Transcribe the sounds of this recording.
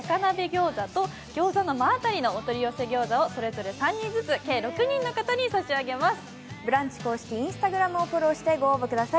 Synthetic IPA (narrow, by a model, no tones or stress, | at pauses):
akanabe̞ɡʲo̞ːzat̪o̞ | ɡʲo̞ːzano̞maːt̪aɾʲino̞ːt̪o̞ɾʲiose̞ɡʲo̞ːzaoso̞ɾe̞zo̞ɾe̞sãɲːĩd͡zɨt͡sɨke̞ːɾo̞kɯ̟ɲ̟ĩnːo̞kat̪aɲ̟isaɕiaɡe̞masɨ̥ | bɯ̟ɾãɲ̟t͡ɕi̥ko̞ːɕi̥kʲiĩɰ̃sɨ̥t̪aɡɯ̟ɾamɯ̟opoɾo̞ːɕi̥t̪e̞ɡo̞ːbɯ̟kɯ̟d̪asai